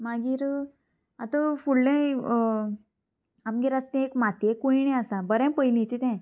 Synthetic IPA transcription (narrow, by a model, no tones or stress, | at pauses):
maɡiːɾ | at̪əfuɽɖẽ | amkeɾast̪ẽekmat̪jekoinɛ̃asabəɾɛ̃pəjlĩt͡ɕit̪ɛ̃